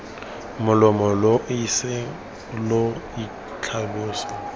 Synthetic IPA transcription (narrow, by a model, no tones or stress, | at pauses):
mʊlɔmɔloʔisɪ | lʊi | t͡ɬʰabʊːsɔ